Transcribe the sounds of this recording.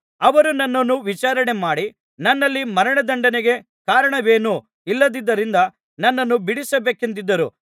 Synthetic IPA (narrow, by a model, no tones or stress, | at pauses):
ɐʋɐɾunɐnːɐnːuʋit͡ʃaːɾɐɳe̞maːɽi | nɐnːɐlːimɐɾɐɳɐd̪ɐɳɖɐneɡe̞ | kaːɾɐɳɐʋe̞ːnuː | ilːɐd̪id̪ːɐɾind̪ɐ | nɐnːɐnːubiɽisɐbe̞ːkent̪̬id̪ːɐɾu